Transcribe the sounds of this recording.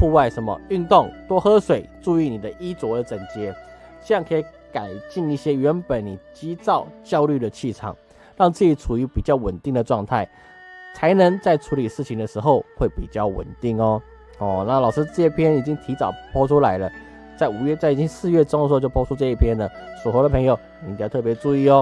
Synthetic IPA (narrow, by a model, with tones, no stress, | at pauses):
fu˥˧wa˥˩ɪʂə˧˥˦nmə̰˨y˥˧nt̪ʊ˥˩ŋt̪wɔ˥xɤ˥ʂwe˨˩ɪʈ͡ʂu˥˧i˥˩ni˨˩d̪ə˦ʔi˥t͡swɔ˧˥d̪ə˨t͡sə˨˩nt͡ɕjɛ˧˥ | ɕɛ˥˧ɑ˥˩ŋkʰɤ˧˥i˧˩˦ | ka˨˩ɪt͡ɕi˥˧ŋi˥˩ɕjɛ˥ɥɛ˧˥npə˨˩nːi˨˩t͡ɕi˥t͡sɑ˥˧ʊt͡ɕjɑ˥˧ʊly˥˩d̪ə˩t͡ɕʰi˥˩ʈ͡ʂʰɑ̰˨˩ŋ | ɻɑ˥˧ŋt͡s̩˥˩i˨˩ʈ͡ʂʰu˨˩y˧˥pi˨˩t͡ɕjɑ˥˩ʊwə˨˩nt̪i˥˩ŋd̪ə˩ʈ͡ʂwɑ˥˧ŋt̪ʰa˥˩ɪ | t͡sʰa˧˥ɪnə˧˥ŋt͡sa˥˩ɪʈ͡ʂʰu˧˥li˨˩ʂɻ̩˥˩t͡ɕʰi˨ŋd̪ə˩ʂɻ̩˧˥xo˥˧ʊxwe˥˩ɪpi˨˩t͡ɕjɑ˥˩ʊwə̰˨˩nt̪i˥˩ŋɔ˦ | ɔ˥˩na˥˩lɑ˨ʊʂɻ̩˥t͡sɤ˥˧i˥˩pʰjɛ˥ni˨˩t͡ɕi˦˥ŋt̪ʰi˧˥t͡sɑ˨˩ʊpʰɔ˥ʈ͡ʂʰu˥la˧˦˥ɪlə˨ | t͡sa˥˩ɪu˨˩ɥɛ˥˧t͡sa˥˩ɪi˨˩t͡ɕi˦˥ŋsɹ̩˥˧ɥɛ˥˧ʈ͡ʂŋə˧˥o˥˧t͡ɕjo˥˧ʊpʰɔ˥ʈ͡ʂʰu˦˥ʈ͡ʂɤ˥˧i˥˩pʰjɛ˥nlə˨su˨˩xə˧˥ɾə˨pʰɤ˧˥ŋjo˨ʊ˨˧˨pi˨t͡ɕɑ˥˧t̪ʰɤ˥˩p̬jɛ˧˥t͡su˥˧i˥˩ɔ˦